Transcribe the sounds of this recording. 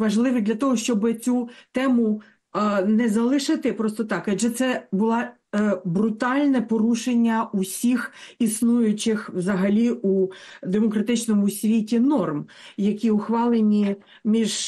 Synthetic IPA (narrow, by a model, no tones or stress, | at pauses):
ʋɐʒlˠɪʋɪd̪lʲɐt̪ɔɦɔʃt͡ʃɔbɪt͡sʲut̪ɛmʊ | nɛzɐlˠɪʃɪt̪ɪpɾɔst̪ɔt̪ɑkɐd͡ʒɛt̪sɛbʊlˠɑ | bɾʊt̪ɑlʲnɛpɔɾuʃenʲːɐusʲixisnujʊt͡ʃɪxwzɐɦɐlʲiʔud̪emɔkɾɐt̪ɪt͡ʃnɔmʊsʲʋʲitʲinɔrm | jɐkʲiʊxʋɑlˠenʲi | mʲiʒ